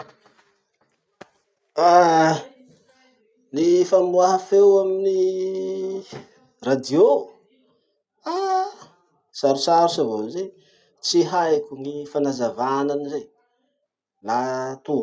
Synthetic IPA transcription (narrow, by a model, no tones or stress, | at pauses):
a | nifambuaɦafewamini | rad̪io | a | saɾusaɾusavaze | t͡siɦajkʲuŋifanazavananizej | lat̪u